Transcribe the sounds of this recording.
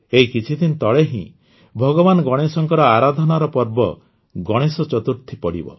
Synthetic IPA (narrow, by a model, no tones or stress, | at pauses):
eɦikit͡ʃʰit̪ʰint̪ɔɭeɦḭ̃ | bʱɔɡɔbanɔɡɔɽ̃esɔŋkɔɾɔaɾad̪ʱɔnaɾɔpɔɾbɔ | ɡɔɽ̃esɔt͡ʃɔt̪uɾt̪ʰipɔɽḭbɔ̰